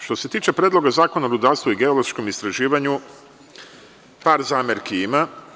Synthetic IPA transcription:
ʃt̪o̞se̞t̪iːt͡ʃepɾʲeːd̪lˠo̞ɡazaːko̞naoɾud̪aɾst̪uiɡe̞olˠo̥ʃko̞mist̪ɾaʒiːʋaɲu | paːɾzaːmeɾkiima

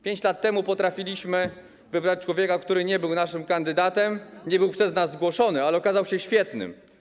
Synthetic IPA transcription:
pʲjeɲt͡ɕlat̪ːɛmupɔt̪ɾafʲilʲiɕmɘ | vɘbɾat͡ɕt͡ʂwɔvʲjɛkakt̪uɾɘɲɛbɘwnaʂɘmkand̪ɘd̪at̪ɛmɲɛbɘwpʂɛznazːɡwɔʂɔnɘalɛɔkazawɕɛɕfʲjɛt̪nɘ̰m

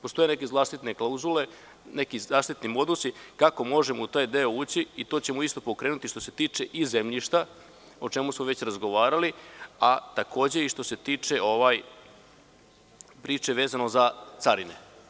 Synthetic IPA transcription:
post̪o̞jene̞ke̞zlˠaːʃt̪it̪neklˠauzule̞ | ne̞kizaːʃt̪it̪nimo̞d̪usikako̞mo̞ʒemout̪aːjd̪e̞o̞uːt͡ɕiːt̪o̞ːt͡ɕe̞muist̪o̞po̞kɾeːnut̪iʃt̪ose̞t̪iːt͡ʂeʔizemʎiʃt̪a | ot͡ʂe̞musmoʋe̞t͡ɕɾazɡo̞ʋaːɾaliat̪ako̞ːd͡ʑe̞iʂt̪o̞se̞t̪iːt͡ʂe̞o̞ʋaj | pɾiːt͡ʂe̞ʋe̞ːzano̞zat̪saɾine

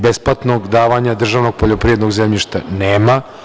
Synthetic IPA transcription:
besplˠat̪noɡd̪aːʋaɲad̪r̩ʒaʋnoɡ̚poʎopɾijed̪noɡzemʎiʃt̪aneːma

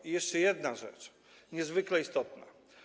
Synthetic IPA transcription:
ijɛʂt͡ʂɛjɛd̪naʐɛ̰t͡ʂ | ɲɛzvɘklɛist̪ɔt̪na̰

